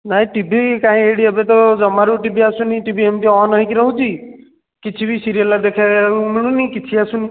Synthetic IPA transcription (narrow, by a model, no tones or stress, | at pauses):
naĩʈibʱikaɦĩeɽiəbet̪ɔd͡ʒɔmaɾuʈibʱiasũniʈibiemt̪iɔnəɦikɾəɦũt͡ʃʰi | kit͡ʃʰibʱisiɾijəlːad̪ekʰamiɭ̃ũnikit͡ʃʰiasũni